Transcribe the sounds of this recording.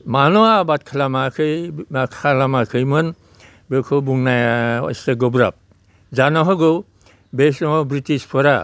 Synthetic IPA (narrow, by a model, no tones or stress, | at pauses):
manɔabat̚kʰalamakʰɯjmakʰalamakʰɯjmɯn | bekʰɯwbuŋnajaɔ̰jseɡɔbɾa̰p̚ | zanɔɦɔɡɯw | besnɔbɾitispʰɔɾa